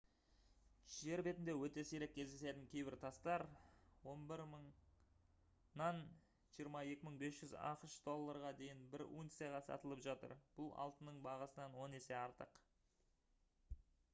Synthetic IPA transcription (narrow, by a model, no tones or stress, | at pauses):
ʒ̥e̞ɾbe̞t̪ɪnd̪e̞wɵt̪e̞sijɾekʲʰːe̞zd̪ese̞t̪ɪŋkʲʰe̞jbɪɾt̪ʰɑst̪ɑɾwo̞nbɪɾməɴ | nɑn | ʒijəɾmɑje̞kʲɪməɴbe̞sʒ̥ʏzɑ̰qəʃd̪o̞lˠːɑɾʁɑd̪e̞jɪnbɪɾṵnt̪sijɑʁɑsɑ̰t̪əlˠəpʒɑt̪ə̰ɾb̥ʊlˠɑ̰lˠt̪ənəɴbɑʁɑsənɑnwo̞ne̞se̞ɑɾt̪əq